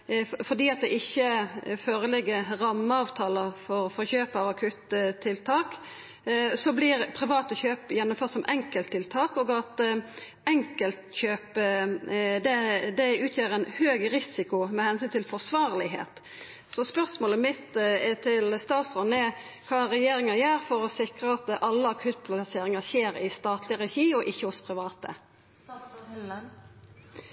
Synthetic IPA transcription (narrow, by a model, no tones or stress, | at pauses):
fɔʁd̪iːɑt̪̚d̪ɛʔɪçːəføːɾəlɪɡəɾɑmːəɑːʋt̪ʰɑːləfɔɾfɔɾçøːpəɑːʋɑkʰʉt̪ʰːɪlt̪ʰɑːk | sɔblɪɾpʰɾɪʋɑːt̪əçøːpjɛnːʊmføːʁt̪sɔmʔɛŋkəlt̪ʰːɪlt̪ʰɑːkɔːɡɑt̪ | ɛŋkəlt̪çøːp | d̪ɛd̪ɛʉːt̪ʰjeːɾɛɪnhøːɡɾɪsɪkʊmɛhɛnsyːnt̪ʰɪlfɔʁsʋɑːɾlɪɦḛːt̪ | sɔspœʁsmoːləmɪt̪t̪ʰɪlst̪ɑːt̪sʁɔnɛ | kʰɑːɾɛjeːɾɪŋɑjæːɾfɔɾɔsɪkɾəɑt̪ʔɑlːəɑkʰʉt̪̚pʰlɑseːɾɪŋɑçeːɾɪst̪ɑːt̪ʰlɪəɾɛçiːɔʔɪçːəhʊspʰɾɪʋɑːt̪ə̰